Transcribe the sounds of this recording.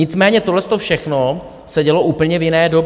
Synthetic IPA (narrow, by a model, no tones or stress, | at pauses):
ɪt͡smɛːɲɛt̪oɦlɛst̪o̞fʃɛxno | sɛɟɛlo̞ʔuːpl̩ɲɛvjɪnɛːdo̞b